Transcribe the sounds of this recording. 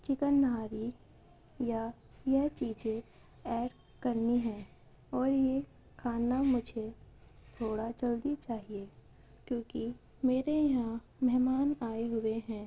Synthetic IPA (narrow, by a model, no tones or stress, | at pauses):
t͡ʃɪkənːaːɾi | ja | jɛɦt͡ʃiːd͡ʒẽ | ɛːɖ | kɐɾniɦɛ̃ː | ɔːɾje | kʰaːnamʊd͡ʒʱe | t̪ʰoːɽat͡ʃɐld̪it͡ʃaːɦieː | kjõːki | meːɾejɐɦã | mɛɦmaːnaːeɦʊeɦɛ̃ː